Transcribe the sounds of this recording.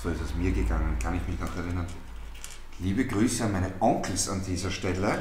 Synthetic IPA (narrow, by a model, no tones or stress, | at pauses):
z̥oːɪsɛsmiːɐɡəɡaŋənkʰanɪçmɪçnɔχɛɐʁɪnɐn | liːbəɡʁyːsəanmæɪnəʔɔŋkl̩sandiːzɐʃtɛlə